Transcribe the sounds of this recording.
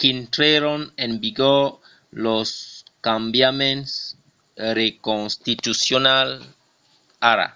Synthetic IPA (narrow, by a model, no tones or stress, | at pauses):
kint̪ɾeɾonẽmbiɡoɾ | loskambjamẽns | ɾekonst̪it̪usjonal | aɾa̰